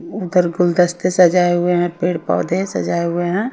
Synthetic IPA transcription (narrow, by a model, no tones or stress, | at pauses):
ʊd̪əɾɡʊld̪əst̪esəd͡ʒaːeɦʊeɦɛ̃peːɽpɔ̰ːd̪esɐ̰d͡ʒaːeɦʊeɦɛ̃